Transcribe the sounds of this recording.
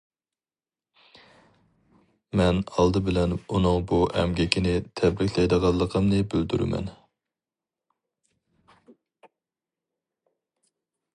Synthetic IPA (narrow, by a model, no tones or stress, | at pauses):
mɛnɑlˠd̪ɨbɪlɛnunɨŋbuɛ̰mɡʲɛkʲʰinɪt̪ʰɛbɾɪkʲʰlɛjd̪əʁɑlˠːəqʰəmnɨbyld̪yɾɪ̰mɛ̰n